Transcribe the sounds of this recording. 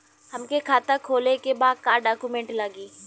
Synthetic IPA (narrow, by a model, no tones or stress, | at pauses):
hɐmkekʰaːt̪ãkʰoːlekebaːd̪̚kaːɾɖaːkumẽːɳʈləɡiː